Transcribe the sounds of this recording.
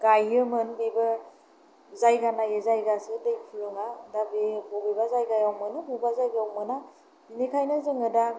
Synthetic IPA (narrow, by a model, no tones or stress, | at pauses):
ɡ̥ajɯmɯnbeba | zajɡanajezajɡasɯdɯjpʰulɯŋadabebɔbebazajɡajawmɯnɯbubazajɡawmɯna | inikʰajnɯzɯŋɯda